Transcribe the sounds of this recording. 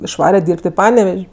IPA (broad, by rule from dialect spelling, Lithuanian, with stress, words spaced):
ɪʃˈʋɑːrʲɛ ˈdʲiːrʲpʲtʲ ɪ ˈpɑːnʲɛʋʲɛʃʲ